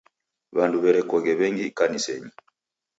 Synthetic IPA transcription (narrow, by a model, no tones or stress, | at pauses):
βanduβɛɾɛkɔɣɛβɛŋɡikanisɛɲi